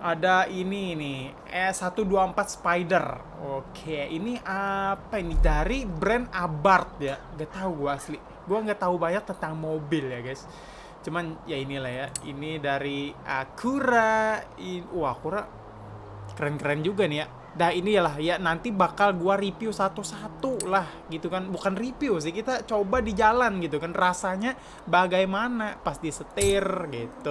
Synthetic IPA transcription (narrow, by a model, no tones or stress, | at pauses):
ʔadainiːni | ɛsat̪uduaəmpat̪̚spajdər | okʰejaʔiniʔapainidaɾibɾɛnabart̪̚jaŋɡaʔt̪aɦuɡuaːsli | ɡuaŋɡaʔt̪aɦubaɲak̚t̪ənt̪aŋmobɪljaɡajs | t͡ʃumanjainilahjaḭnidaɾiəkʰuɾa | iuakuɾa | kəɾɛnkəɾɛnd͡ʒuɡanija | dahinijalaɦjanant̪ibakalɡuaɾipiusat̪usat̪ulahɡit̪ukanbukanripius̬ɪhkit̪at͡ʃobadid͡ʒalanɡit̪ukanrasaɲa | baɡajmanapast̪isət̪ɪrɡit̪u